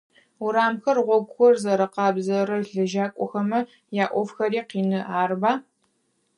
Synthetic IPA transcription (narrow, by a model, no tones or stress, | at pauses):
ʊɾaːmxɐrʁʷɔɡʷʊxʷɔrzɐɾɐqɑːbzɐɾɐɮɨʒaːkʷʼɔxɐmɐ | jaːʔʷɔfxɐɾiːqiːnɨaːrbaː